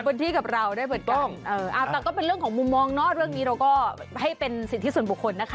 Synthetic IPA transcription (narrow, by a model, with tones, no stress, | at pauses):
bɯː˧nt̪ʰiː˧˩ka˨˩p̚ɾa˧wdaː˥˩jpɤː˨˩t̪̚kɔ˥˩ŋʔɤː˧˩ʔa˧˩wt̪ɛː˨˧˩kɔː˥˩pe˧nɾɯ˥˩əŋkʰɔː˩˦ŋmu˧mːɔː˧ŋnɔː˥˩ɾɯ˥˩əŋniː˦˥ɾa˧wkɔː˥˩ha˥˩jpe˧nsi˨˩t̪ʰːi˦˥˩su˨˩ə˦bu˨˩kʰːo˧nːa˦˥kʰa˦